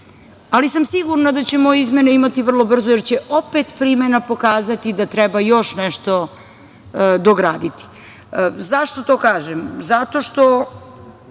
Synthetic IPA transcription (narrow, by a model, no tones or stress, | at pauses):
alisamsiɡuɾnad̪at͡ɕemojeizmʲeneimat̪iʋr̩lˠo̞br̩zoje̞ɾt͡ɕeʔopet̪pɾimenapo̞kaːzat̪id̪at̪ɾɛbajo̞ʃneʃt̪o̞ | d̪oɡɾaːd̪it̪i̥ | zaʃt̪o̞t̪o̞ːkaːʒemzat̪o̞ʃt̪o̞